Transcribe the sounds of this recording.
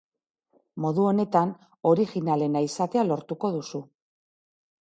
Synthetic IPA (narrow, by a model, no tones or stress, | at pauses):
mo̞ðuo̞ne̞t̪an | o̞ɾiɣinale̞naisat̪e̞alo̞ɾt̪uko̞ðusu